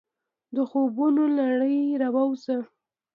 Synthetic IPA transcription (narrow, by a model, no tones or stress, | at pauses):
d̪əxobunolaɽəjɾawawzə